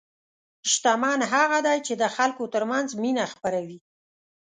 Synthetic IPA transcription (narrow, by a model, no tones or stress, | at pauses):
ʃt̪amɑnɦaɣad̪ajt͡ʃed̪əxalkot̪əɾmanzminaxpaɾawi